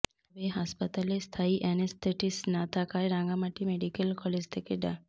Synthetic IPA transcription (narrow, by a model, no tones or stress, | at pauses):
ɔbeɦaspat̪alest̪ʰaiʔɛnest̪ʰeʈisnat̪ʰakaeɾaŋɡamaʈimeɖikelkɔled͡ʑt̪ʰekeɖa